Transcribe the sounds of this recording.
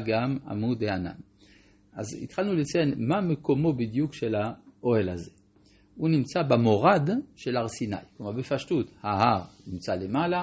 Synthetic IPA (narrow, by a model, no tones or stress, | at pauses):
ɡama̰mud̪eana̰m | ʔazḭt̪χalnulet͡sajenmameko̞mo̞bid̪jukʃelaʔohelaze | unimt͡sabamoʁadʃelaʁsina̰jklumaʁbefaʃtut̪haɦaʁnimt͡salemala